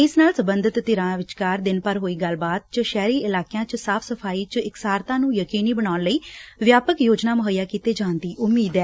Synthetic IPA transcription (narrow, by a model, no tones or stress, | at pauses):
ɪsnaːlsəbənd̪ʱət̪ːɪɾãːʋɪt͡ʃkaːɾd̪ɪnpəɾɦoːiːɡəlbaːt̪̚t͡ʃəʃɛːɾiːɪlaːkjãːt͡ʃsaːpʰsəpʰaːiːt͡ʃɪksaːɾt̪ãːnũːjəkiːniːbəɽaːnləiːʋjaːpəkjoːd͡ʒnaːmʊɦəjaːkiːt̪eːd͡ʒãːnd̪iːʔʊmːiːd̪ɛː